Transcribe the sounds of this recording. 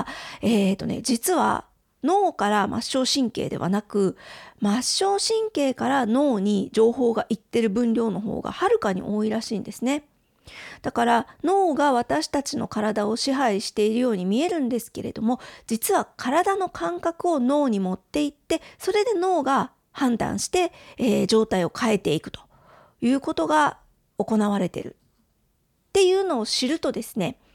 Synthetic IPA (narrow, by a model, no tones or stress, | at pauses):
eːt̪ːo̞̰ne̞̰d͡ʑit͡sɨβa̰ | no̞ːkaɾamʔa̰ɕːo̞ːɕĩŋke̞̰ːd̪e̞̰β̞a̰nakɯ̟maɕːo̞ːɕĩŋke̞ːkaɾano̞ːɲ̟id͡ʑo̞ːɦo̞ːɡaʔit̪ːe̞ɾɯ̟bɯ̟̃nɾʲo̞ːno̞ɦo̰ːɡa̰haɾɯ̟kaɲ̟ḭʔo̞ːiɾaɕḭːnd̪e̞sɨne̞ | d̪̥akaɾano̞ːɡaβ̞at̪aɕi̥t̪at͡ɕino̞̰kaɾad̪ao̞ɕiɦaiɕi̥t̪e̞iɾɯ̟jo̞ːɲ̟imʲie̞ɾɯ̟̃nd̪e̞sɨ̥ke̞̰ɾe̞̰d̪o̞mo̞d͡ʑit͡sɨβakʰaɾad̪ano̞kʰãŋkakɯ̟o̞no̞ːɲ̟imo̞t̪ːe̞it̪ːe̞so̞ɾe̞d̪e̞no̞ːɡa | hãnd̪ã̰ɰ̃ɕi̥t̪e̞eːʑo̞ːt̪aio̞kʰae̞t̪e̞ikɯ̟̥t̪o̥ | jɯ̟ːko̞t̪o̞ɡa | o̞ko̞naβ̞aɾe̞t̪e̞̰ɾɯ̟̰ | t̪ːe̞jɯ̟ːno̞ːɕiɾɯ̟t̪o̞d̪e̞sɨ̥ne̞